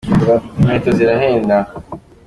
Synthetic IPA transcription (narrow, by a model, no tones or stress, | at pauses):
metoziɾaɦeːnda